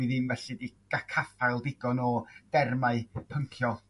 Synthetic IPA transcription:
iðɪmvɛɬidiɡ̥akʰafalˠdɪɡɔnɔd̥ɛrmaɨpʰəŋkʰjɔ

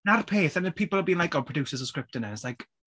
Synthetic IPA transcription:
narpʰeːθanəpʰiːplˠəbiːnlajkɔpʰɹ̥ɔdusəzəskɹɪp̚tənəslajk

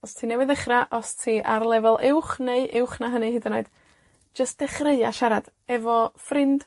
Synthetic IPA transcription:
ɔstʰiːnɛwɨðəχraʔɔstʰiːʔarlˠɛvɔlˠʔɪwχneɨʔɪwχnaɦənɨhɨdanoɨd̥ | d͡ʒəst̚d̥ɛχreɨaʃaɾad̥ | ɛvɔfrɪnd̥

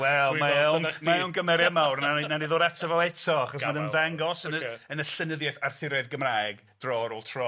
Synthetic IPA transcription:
wɛlˠmanmajownɡəmɛɾjamawrnananiðoːdatʰavɛlˠɛtʰɔaχɔsanənvaŋɡɔsənəənəɬənəðjɛθarθɪɾɛðɡəmraːɛɡ | d̥rɔːɾolˠtʰrɔ

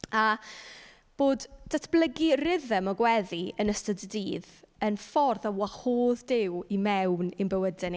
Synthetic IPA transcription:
a | b̥oːdd̥atʰb̥lˠəɡirɪðəmɔɡwɛðiənəstəddiːð | ənfɔrðawahoːðdɪwimɛwnɪnbəwədɪn

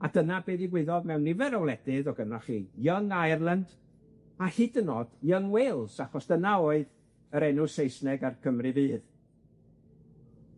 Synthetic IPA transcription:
adənabeːðiɡwɪðɔðmɛwnːɪvɛɾɔwlˠɛdɪðɔɡənaχiːjəŋajrlˠand̥ | ahɪdənɔd̥jəŋwelˠsaχɔsd̥ənaɔɨð | əɾɛnʊsejsnɛɡarkʰəmrɨviːð

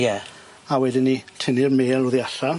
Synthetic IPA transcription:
jɛ | awɛdɪnːitʰɪnirmeːlˠoðiaɬa

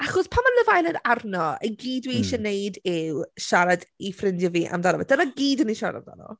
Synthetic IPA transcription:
aχɔspʰamanlˠəvajləɾarnɔə̰ɡiːdwiiʃɛnejdɪwʃaɾadifrɪndjɔviːʔa̰mdanɔvɛ̰dənaɡiːdəniʃaɾa̰a̰mda̰nɔ̰

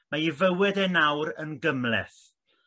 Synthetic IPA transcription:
maivəwɛdɛnawɾənɡəmlɛ̰θ

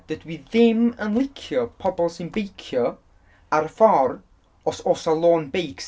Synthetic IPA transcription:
d̥ədwiðɪmənlˠɪkʰjɔpʰɔbɔlˠsɪnbejkʰjɔ | aɾəfɔr | ɔsosalˠoːnbejks

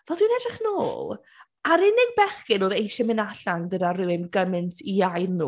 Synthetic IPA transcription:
vɛlˠdwinɛdrɪχnoːlˠ | aɾɪnɪɡ̚bɛχkɪnoːðejʃɛmɪnaɬaŋɡədarɨwɪnɡəmɨntʰiajðnuː

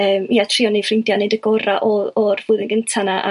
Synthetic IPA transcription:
əːmiatʰriɔnefrɪndjanejdəɡɔraʔɔɔrv̥ʊːðɪnɡəntʰanaʔa̰

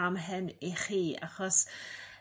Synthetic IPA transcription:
amɦɨniχiːa̰χɔs

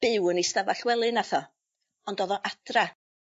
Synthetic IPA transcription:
b̥ɪwənistavaɬwɛlˠɨnaθɔ | ɔndɔðɔʔadra

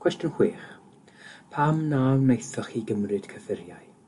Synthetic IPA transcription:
kʰwɛstjɔnhwiːχ | pʰamnawnejθɔχiɡəmrɨd̥kʰəfɪɾjaj

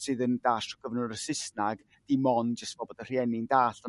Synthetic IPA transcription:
sɨːðəndaɬɔɡ̥əvnʊɾəsɪsnaɡ | d̥imɔnd͡ʒəstv̥ɔbɔdər̥jɛnɪndaːɬɔ

